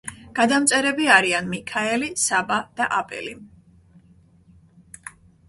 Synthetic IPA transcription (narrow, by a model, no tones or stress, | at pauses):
ɡ̥ad̪amt̪sʼɛɾɛbiaɾianmikʰaɛlisabad̪̥aʔapʼɛ̰li